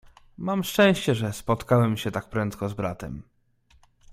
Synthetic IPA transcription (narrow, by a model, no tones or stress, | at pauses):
mamʂt͡ʂɛ̃w̃ɕt͡ɕɛʐɛspɔt̪kawɛmɕɛt̪ak̚pɾɛnt̪kɔzbɾa̰t̪ɛ̰m